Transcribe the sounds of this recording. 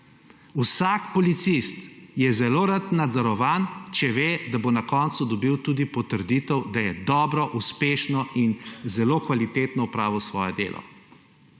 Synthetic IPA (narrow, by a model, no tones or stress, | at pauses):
usakpɔlit̪sist̪jɛzɛloːɾat̪nad̪zɔɾɔʋaːnt͡ʃɛʋeːd̪abonakɔːnt̪sud̪ɔbiwt̪uːd̪ipɔt̪əɾd̪iːt̪ɛwd̪ajɛd̪ɔːbɾɔʔuspeːʃnɔinzɛloːkʋalit̪eːt̪nɔupɾaːʋɔsʋɔːjɛd̪ḛːlʔɔ̰